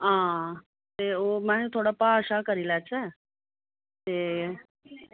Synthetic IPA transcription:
ɦã | t̪eomãɦet̪ʰoɽapaəʃakəɾilat͡ɕe | t̪e

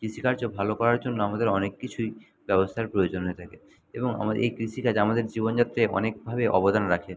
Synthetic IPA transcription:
kɾiʃikaɾd͡ʑobʱalokɔɾaɾd͡ʑonːoamad̪eɾɔnekːit͡ɕʰuj | bɛbost̪ʰaɾpɾojod͡ʑonɦet̪ʰake | eboŋa̰maʔḛjkɾiʃikad͡ʑamad̪eɾd͡ʑibond͡ʑat̪ːɾeʔɔ̰nek̚bʱabeʔɔbod̪anɾakʰe

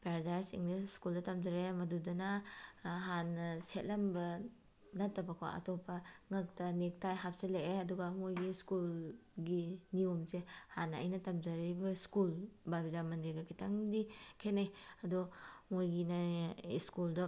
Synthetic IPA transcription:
peɾadajsḭŋlisskuldɐtɐmzɐɾemɐdudɐnɐ | ɦanːɐset̚lɐmbɐ | nɐtːɐbɐkʰo̰ʔɐ̰tɔpːɐŋɐk̚tɐnek̚tajɦap̚seleeɐduɡɐmojɡiskulɡiniomzehanːɐ̰jnɐtɐmzaɾibɐskulbabidamɐndɾeɡɐkitʰaŋdikʰenajɐdɔmojɡinaḭskulda

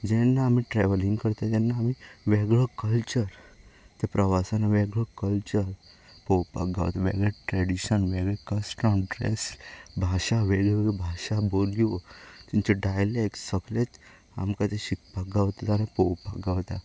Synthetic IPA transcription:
d͡ʑɛnːaːmiʈɾɛʋəlĩŋɡkəɾt̪at̪ɛnːaːmiʋɛɡɭɔkəlt͡ɕəɾt̪epɾəʋasanːaʋɛɡɭɔkəlt͡ɕəɾ | pɔwpa̰ɡa̰ʋt̪aʋḛɡɭɛʈɾɛɽiɕənʋeɡɭɛkəsʈəmɖɾɛ̰sbʱaʂaʋeɡɛʋeɡɭɛbʱaʂaboliʋot̪iɲt͡ɕeɖajlɛksəklet̪ | a̰mkat̪eɕik̚paɡaʋt̪at̪anapowpəɡaʋt̪a

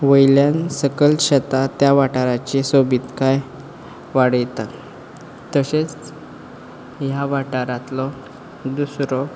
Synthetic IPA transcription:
ʋəjljansəkəlɕət̪at̪jaʋaʈaɾat͡ɕesobit̪kaj | ʋaɽəjt̪a | t̪əɕet͡s | jaʋaʈaɾat̪lɔ | d̪usɾɔ

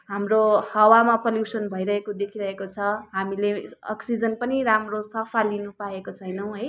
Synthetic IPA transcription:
ɦamrohʌwamapʌljusʌnbʱʌjɾʌɦekod̪ekʰiɾʌɦekot͡sʰʌɦamileʌ̰ksid͡zʌnpʌniɾamrosʌpʰalinupaekot͡sʰʌjnʌw̃ɦʌj

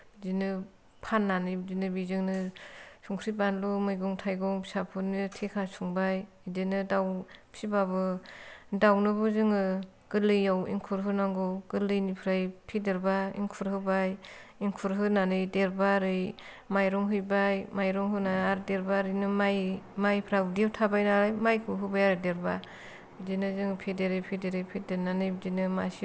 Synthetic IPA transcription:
zinɯ | pʰanːanɯjbdinɯbizɯŋnɯsuŋkʰɾibanlumɯjɡɔŋtʰajɡɔŋsapʰunɯtʰekʰasuŋbaj | idenɯdawpʰibabɯ | dawnɯbɯzɯŋɯ | ɡ̥ɯlɯjawḭŋkʰuɾɦɯnaŋɡɔɡ̥ɯlɯjnipʰɾajpʰideɾbaḭŋkʰuɾɦɯbajiŋkʰuɾɦɯnanɯjdeɾbaɾɯj | majɾɔŋɦɯjbajmajɾɔŋɦɯnaaɾdeɾbaɾɯjnɯmajmajpʰɾadiawtʰabajnaɾajmajkʰuɦɯbajaɾɯdeɾba | idinɯzɯŋɯpʰedeɾɯjpʰedeɾɯjpʰedenanɯjbdinɯmas

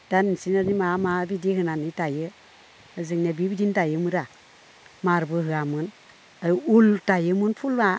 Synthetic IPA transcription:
d̥ansinənimamabidihɨnanːitajə | əzɨŋnebibidintajəmuɾa | maɾbəɦɨamən | aultajəmunfulma

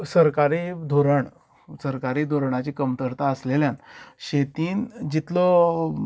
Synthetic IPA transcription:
səɾkaɾid̪ʱoɾəɳ | səɾkaɾiːd̪ʱoɾɳat͡ɕikəmt̪əɾt̪aəsleljanɕet̪iːnd͡ʑit̪lɔ

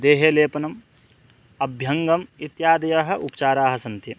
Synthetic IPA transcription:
d̪eːɦeːleːpɐnɐm | ɐbʱjɐŋɡɐmit̪jaːd̪ɐjɐɦɐ̆ʔupɐ̥t͡ʃaːɾaːɦɐ̆sɐnt̪jɐ

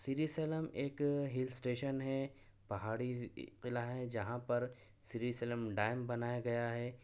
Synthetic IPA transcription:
sɪɾiseːləmeːkɦɪlsʈeːʃənɦɛ | pɐɦaːɽiqɪlaɦɛd͡ʒɐɦãpɐɾ | sɪɾisɛləmɖaːɪmbɐnaːjaɡɐjaɦɛː

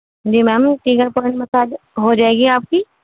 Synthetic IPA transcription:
d͡ʒiːmɛːmʈiːɡəɾpəɾɳmɐsaːd͡ʒɦoːd͡ʒaːeːɡiaːp̚kiː

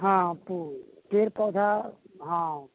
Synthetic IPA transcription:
ɦãpuː | peɾpɔwd̪ʱa | ɦã

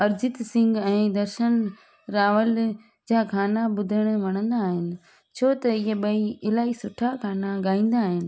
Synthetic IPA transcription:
ɐɾd͡ʑɪt̪sɪ̃ŋɡɛ̃ːd̪ɐɾʃən | ɾaːʋəl | d͡ʑaːkʰaːnaɓʊd̪ʱəɽ̃ʋɐɽ̃ə̃nd̪aːɦɪnɪ̆ | t͡ɕʰoːt̪ɐɪɦeɓɐiɪlaːisʊʈʰakʰaːnaɠaːĩːn̆d̪aːɦɪnɪ̆

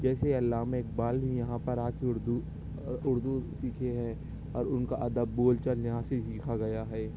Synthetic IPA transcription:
d͡ʒɛːseɐlːaːɦmẽeːk̚baːlbʱijɐɦãpɐɾaːkeʊɾd̪u | ʊɾd̪usiːkʰeɦɛ̃ | ɔːɾʊnkaʔɐd̪əbːoːlt͡ʃəljɐɦãsesiːkʰaɡɐjaɦɛː

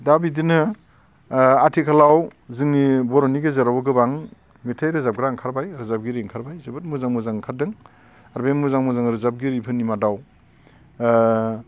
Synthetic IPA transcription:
dabidinɯ | atʰikʰalawzɯŋnibɔɾɔniɡezaɾawaɡɯbaŋ | metʰajɾɯzap̚ɡɾaŋkʰaɾbajɾɯzap̚ɡiɾiŋkʰaɾbajzɯbɯt̚muzaŋmɯzaŋkʰadɯŋ | aɾbemuzaŋmuzaŋɾɯzap̚ɡiɾipʰɯnimadaw

